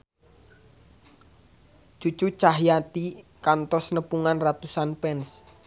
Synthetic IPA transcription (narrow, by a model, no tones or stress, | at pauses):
d͡ʒ̥u̥t͡ʃut͡ʃaɦjat̪ikant̪ɔsnəpuŋanrat̪usanpɛns